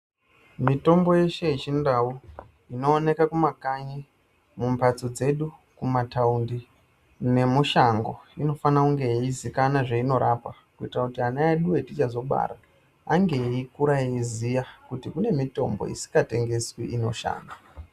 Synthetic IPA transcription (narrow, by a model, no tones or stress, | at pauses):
mito̞mbo̞je̞ʃe̞it͡ʃindau | ino̞ːne̞kakumakaɲi | mumpat͡sod͡ze̞ɗukumatʰaundi | ne̞muʃaŋɡo̞̰ino̞fanakuŋɡe̞izikanaʐeino̞ɾʔapakuitrakutiɦanaeɗuwe̞tit͡ʃazo̞ɓa̰ɾa | aŋɡe̞ikuɾaizijakutikune̞mito̞̰mbo̰ḭsi̥kɡate̞ŋɡe̞swḭʔino̞ʃa̰ːna